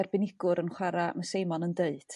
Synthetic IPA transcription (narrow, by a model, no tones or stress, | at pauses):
rbɪnɪɡ̥ʊɾənχwaɾaməsejmɔnəndeɨd̥